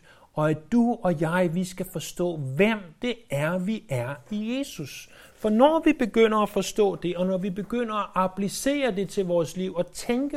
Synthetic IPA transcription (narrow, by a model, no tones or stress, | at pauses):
ɒ̽æd̥uɒ̽jɑ̈ɪʋisɡ̥æfɒ̽sd̥ɔ̰ːʋem̰d̥e̝æɐʋiæɐije̝ːsus | fɒ̽nɒʋib̥e̝ɡ̥øn̰ɐæfɒ̽sd̥ɔ̰̽ːd̥e̝ɒ̽nɒʋib̥e̝ɡ̥øn̰ɐæʔæpʰlise̝̰ːɐd̥e̝t͡sʰe̝lʋɒːsliʊ̰ɒ̽t͡sʰeŋɡ̥ə